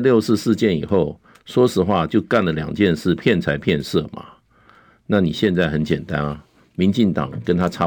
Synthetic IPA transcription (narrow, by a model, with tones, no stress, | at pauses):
ljo˥˧ʊsɹ̩˥˧ʂɻ̩˥˧t͡ɕjɛ˥˩nḭ˨˩xo˥˩ʊ | ʂwɔ˥ʂɻ̩˧˥xwa˥˧t͡ɕjo˥˧ʊka˥˩nlə˨ljɑ̰˨˩ŋt͡ɕjɛ˥˧nʂɻ̩˥˩pʰjɛ˥˩nt͡sʰa˧˥ɪpʰjɛ˥˧nʂɤ˥˩mʔa̰˨˩ | na˥˩ni˨˩ɕjɛ˥˧nt͡sa˥˩ɪxə˧˦nt͡ɕjɛ˨˩nt̪a˦nɐ˦ | mi˧˦nt͡ɕi˥˩ŋt̪ɑ̰˨˩ŋkə˦nt̪ʰa˥ʈ͡ʂʰa˥